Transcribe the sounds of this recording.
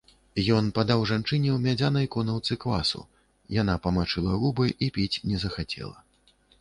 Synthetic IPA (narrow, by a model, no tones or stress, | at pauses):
jɔnpad̪awʐant͡ʂɨnʲɛwmʲad͡zʲanɐjkɔnɐwt̪sɨkla̰sṵ | janapɐmat͡ʂɨlˠɐɣubɨjʔipʲit͡sʲnʲɛzɐxat͡sʲɛ̰lˠɐ̰